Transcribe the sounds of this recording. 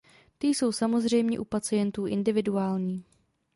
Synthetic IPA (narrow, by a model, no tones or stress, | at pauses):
t̪ɪjso̞wsamo̞zr̝ɛjmɲɛ̰ʔupat͡sɪjɛnt̪uːʔɪndɪvɪduaːlɲiː